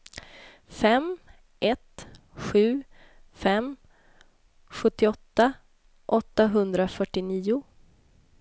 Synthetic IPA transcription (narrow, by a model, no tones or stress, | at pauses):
fɛm | ʔɛt̪ | ɧʉ̟ː | fɛm | ɧɵt̪ːɪɔt̪ːa | ʔɔt̪ːaɦɵnd̪ɾafœʈːɪniːʊ